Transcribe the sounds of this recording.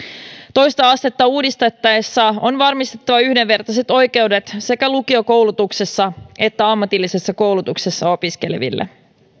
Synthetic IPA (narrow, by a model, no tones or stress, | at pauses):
t̪o̞jst̪ɑɑst̪e̞t̪ːɑuːdist̪et̪ːɑesːæonʋɑrmist̪et̪ːɑʋɑyhdeʋːe̞rt̪ɑset̪o̞jke̞wde̞t̪se̞kælukio̞ko̞wlut̪ukse̞sːɑe̞t̪ːæɑmːɑt̪ilːise̞sːɑko̞wlut̪ukse̞sːɑo̞piske̞leʋḭlːḛ